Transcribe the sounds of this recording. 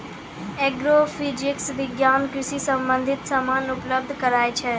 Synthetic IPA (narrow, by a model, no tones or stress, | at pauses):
ɛːɡɾoːfid͡ʒɪksʋɪɡjaːnkɾɪsisə̃mbə̃nd̪ʱɪt̪samaːnʊpləb̚d̪ʱkəɾaːet͡ʃʰɛ